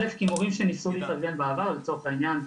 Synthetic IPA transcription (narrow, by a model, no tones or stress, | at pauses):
efkimuʁimʃe̞nisuliːt̪avɡe̞nbaːvaʁlet͡so̞ʁeχainjan